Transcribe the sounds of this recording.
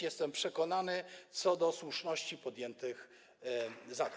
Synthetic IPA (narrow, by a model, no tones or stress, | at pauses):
jɛst̪ɛmpʂɛkɔnanɘt̪sɔd̪ɔswuʂnɔɕt͡ɕipɔd̪jɛnt̪ɘx | zad̪